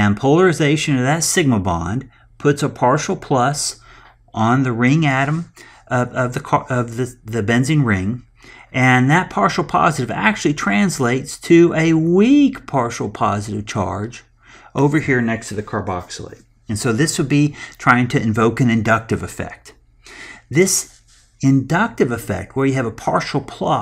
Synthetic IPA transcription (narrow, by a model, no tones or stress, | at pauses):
ɨ̃npʰoʊlˠə˞ɨzeɪʃɨ̃nʌvðɨtsɪɡ̚məbɑ̰̃n | pʰʊtsəpʰɑɹʃl̩ˠpʰl̥ʌs | ʔn̩ðɨɹɪ̃ŋæɾə̃m | ʌʌvðɨkʰʌvðɨðɨbɛ̃nzɪ̃ŋɹɪ̃ŋ | ʔɨ̃nðɨt̚pʰɑɹʃl̩ˠpʰɑ̰zɨɾɨvæ̰k̚t͡ʃʉl̩ˠitʰɹ̥æ̃nsleɪtstʰɨɨwikpʰɑɹʃl̩ˠpʰɑzɨɾɨv̥t͡ʃʰɑ̰ɹd͡ʒ | ʔoʊvə˞hiɹnɛkstʰɨðɨkʰɑɹbɑ̰ksl̩ˠḛɪ | ɨ̃nsoʊðɪswəd̚bitʰɹ̥aɪɪ̃ŋtʰɨɨ̃ɱvoʊkɨ̃nɨ̃ndʌk̚tɨvɨfɛ̰k̚t̪̚ | ðɪs | ɨ̃ndʌk̚tɨvɨfɛ̰k̚t̚wə˞jɨɨvəpʰɑɹʃl̩ˠpʰl̥ɑ